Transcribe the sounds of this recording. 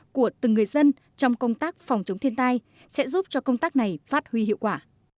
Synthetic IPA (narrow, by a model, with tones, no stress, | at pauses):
ku˧˩ət̪ɨ˨˩ŋːɨ˨˩əjzə˧n | t͡ɕɔ˧wŋ͡mkə˧wŋ͡mt̪aː˦˥k̚fɔ˨˩wŋ͡mt͡ɕə˨˦ŋ͡mt̪ʰi˧ənt̪aː˧j | sɛ̰˧˥zu˦˥p̚t͡ɕɔ˧kə˧wŋ͡mt̪aː˦˥k̚na˨˩jfaː˦˥t̚hwi˧hḭ˧˨wkwaː˧˩